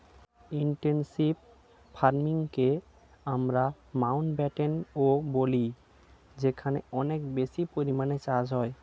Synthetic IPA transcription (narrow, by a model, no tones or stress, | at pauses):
iɳʈensib | fʰaɾmiŋke | amɾa | mawnʈbɛʈenoboli | d͡ʑekʰaneɔnekbesipoɾimanet͡ɕad͡ʑɦɔe